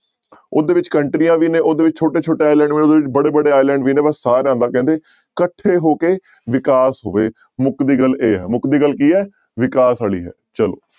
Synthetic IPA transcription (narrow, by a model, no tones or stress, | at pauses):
oːd̪eːʋɪt͡ʃkəɳʈɾijãːʋiːnẽːoːd̪eːʋɪt͡ʃt͡ʃʰoːʈeːt͡ʃʰoːʈeːaːɪlɛ̃ːɳɖʋiːoːd̪eːʋɪt͡ʃbəɽeːbəɽeːaːɪlɛ̃ːɳɖʋiːneːbəsːaːɾeãːnd̪aːkɛ̃ːnd̪eː | kəʈʰːeːɦoːkeː | ʋɪkaːsɦoːʋeː | mʊkd̪iːɡəleːɦɛ̰ːmʊkd̪iːɡəlːkiːɦɛː | ʋɪkaːsaːɭḭːɦɛ̰ːt͡ʃəlo̰ː